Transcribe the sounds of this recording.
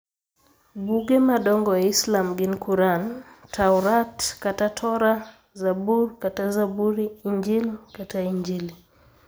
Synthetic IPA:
ɓuɡɛmaɗɔŋɡɔaislamɡinkuɾantʰauɾatkatatʰɔɾa | zaɓuɾkatazabuɾiiɲd͡ʒilikataiɲd͡ʒili

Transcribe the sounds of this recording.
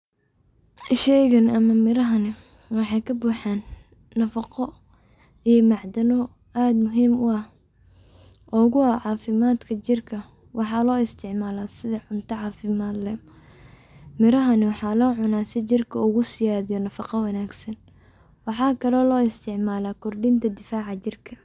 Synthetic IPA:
ɪʃɛjɣɐnɐmɐmɪɾɐɦɐnɪ | wɑħɑjkʰɐbuːħɑːnː | ɐfɑqɔ | ijmɑʕd̪ɐnɔ | aːd̪mʊɦiːmʊɐh | ʔɔɣʊɐʕɑːfɪmaːd̪kʰɐt͡ʃɪrkʰɐ | wʔɑħɑːlɔːɪst̪ʰɪʕmaːlaːsɪðɐʕʊnt̪ʰɐʕɑːfɪmaːd̪lɛ | mɪɾɐɦɐnɪwɑħɑːlɔːʕʊnaːsɪt͡ʃɪrkʰɐʊɣʊsɪjaːðɪjɔnɐfɑqɑwɐnaːɡsɐn | wɑħɑːkʰɐlɔːlɔːɪst̪ʰɪʕmaːlaːkʰɔrɖɪnt̪ʰɐd̪ɪfaːʕɑt͡ʃɪrkʰɐ

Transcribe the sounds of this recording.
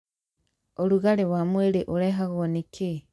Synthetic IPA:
oluɣalewamweɾeʔuɾeɦaɣonike

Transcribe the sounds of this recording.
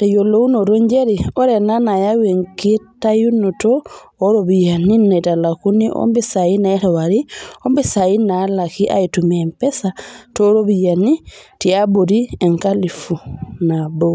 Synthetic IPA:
tajolounoɾoɲd͡ʒeɾiɔɾɛnanajaweŋkitːajunotoː | ɾobijaninatalakuniʔo̰mbɛsajinaɛtawaɾiombɛsajinalakiʔa̰itumɛmpɛsatɔɾobijanitiaboɾieŋkalifunabo

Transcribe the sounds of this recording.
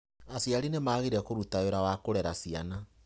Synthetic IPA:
asijaɾinemaːɣeɾɛkoɾutaoɾawakoɾɛɾasiana

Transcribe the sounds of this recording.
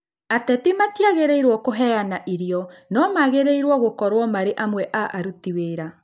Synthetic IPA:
atɛtimatiaɣeɾeiɾwɔkoɦɛanaʔiɾiɔnɔmaɣeɾeiɾwɔɣokɔɾwɔmaɾeʔamwɛʔaʔaɾutiweːɾa

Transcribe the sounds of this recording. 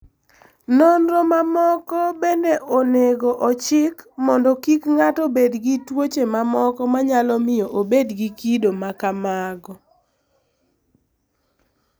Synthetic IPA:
nonɾɔmamɔkɔbendeʔoneɡoʔɔt͡ʃɪkmɔndɔkikŋatobedɡitwot͡ʃemamɔkɔmaɲalɔmɪjɔʔobedɡikidomakamaɡɔ

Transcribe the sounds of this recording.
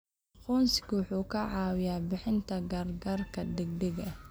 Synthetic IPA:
qɔːnsɪ̥ɡwʊħuːkʰɐʕɑːwɪjaːbɪħɪnt̪ʰɐɡɐrɡɐrkʰɐd̪ɛɡd̪ɛɣɐ

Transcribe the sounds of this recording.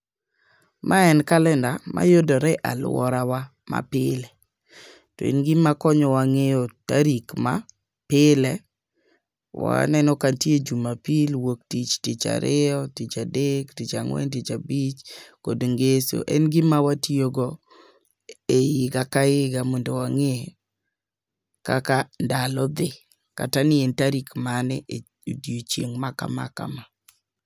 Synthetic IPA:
mʔaɛnkalɛndama̰jodɔɾɛʔalwɔ̰ɾawa | ma̰pɪlɛ | tɔ̰ḛnɡɪmakɔɲɔwaŋejɔtaɾikma̰ | pɪlɛ | wa̰nɛnɔkantjed͡ʒumapilwok̚tit͡ʃtit͡ʃa̰ɾɪɔtit͡ʃadektit͡ʃaŋwɛ̰ntit͡ʃabit͡ʃkodŋɡeso̰ʔɛ̰nɡɪmawatioɡɔ | ejɪɡakaɪɡamɔndowaŋe | kakandalɔd̪ɪ | ka̰tanɪentaɾikmanɪ̰ʔe | odjot͡ʃjeŋmaka̰ma̰ka̰ma

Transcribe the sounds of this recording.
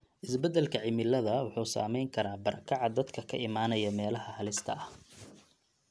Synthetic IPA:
ʔɪsbɛd̪ɛlkʰɐʕɪmɪlɐðɐwʊħuːsa̰ːmɛjŋkʰɐɾaːbɐɾɐkʰɑʕɑd̪ɐd̪kʰɐkʰɐʔɪmaːnɐjɐmɛːlɐhɐhɐlɪst̪ʰɐʔɐh

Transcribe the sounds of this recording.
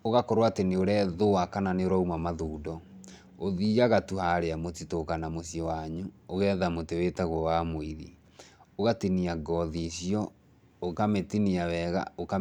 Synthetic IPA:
oɣakoɾowateneoɾɛðoakananeoɾaumamaðuːdɔ | oðiːaɣatuhaɾeamotitokanamosjɔwaɲuoɣɛðamotewetaɣwɔwamoiɾḭ | oɣatiniaɡɔðisjɔ | okametiniawɛɣa̰oka

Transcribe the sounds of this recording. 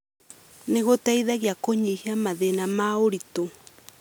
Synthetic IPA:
neɣotaiðaɣjakoɲiheamaðenamaoɾito

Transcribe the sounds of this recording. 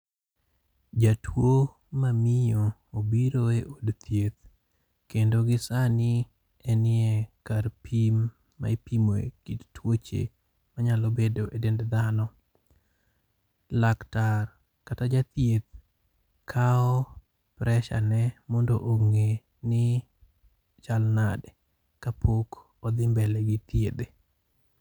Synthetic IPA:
d͡ʒatʰwo | mamijoobiɾoeʔodt̪ʰjet̪̚ | kendoɡɪsanɪ | ɛnɪɛkarpʰimː | a̰epimoḛkittwot͡ʃḛ | maɲalobedoʔedendd̪anɔ | laktar | katad͡ʒat̪jet̪ | kʰaɔ | pɾʔɛʃa̰nɛmɔndoʔoŋe | nɪ | t͡ʃalnad | kapʰok | ɔd̪ɪmbɛlɛɡɪt̪jed̪e

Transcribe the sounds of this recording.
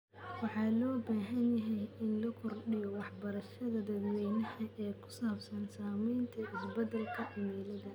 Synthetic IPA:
wɑħɑːlɔːbaːɦɐnjɐɦɛjɪnlɐkʰɔrɖɪjɔwɑħbɐɾɐʃɐðɐd̪ɐd̪wɛjnɐhɐʔɛːkʰʊ̥saːbsɐnsaːmɛjnt̪ʰɐʔɪsbɐd̪ɐlkʰɐʕɪmɛlɐðɐ

